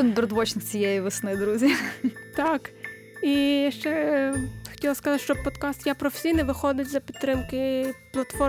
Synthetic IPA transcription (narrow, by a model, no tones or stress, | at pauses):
ɪnbʲɾd̪ʋɔt͡ʃnɪt͡sʲijɛjiʋɐsnɪd̪ɾuzʲit̪ɑk | ijʃt͡ʃɛ | xɔ̥tʲilˠɐskɐzɑ̥ʃt͡ʃɔpɔd̪kɑst̪japɾɔfʲe̥sʲijnɛʋɪxɔd̪ɪtʲzɐpʲid̪t̪ːɾɪmkɪplˠɐt̪fɔ